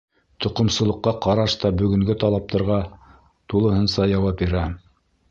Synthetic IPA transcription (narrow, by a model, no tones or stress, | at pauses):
t̪ŏqŏmsɤ̆lˠɤ̆qːɑqɑɾɑʃt̪ɑbɵ̆ɡɵ̆ŋɡɵt̪ɑlˠɑp̚t̪ɑ̆ɾʁɑ | t̪ulˠɤ̆ɦɤ̆nsɑjɑwɑpbiɾæ